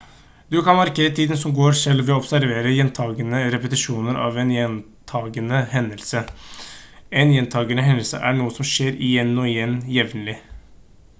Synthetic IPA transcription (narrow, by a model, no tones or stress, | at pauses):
d̪ʉkʰɑnmɑɾkeːɾət̪ʰiːd̪ənsɔmɡoːɾʂɛlʋɛɔɔbsæɾʋeːɾəjɛnt̪ʰɑːɡənəɾɛpət̪ɪʂuːnəɾɑ̰ːʋɛnjɛnt̪ʰɑːɡənəɦɛnːəlsə | ɛnjɛnt̪ʰɑːɡənəɦɛnəlsə̰ʔæɳuːəsɔmʂeːɾɪjɛnːɔɪjɛnːjɛʋnəlɪ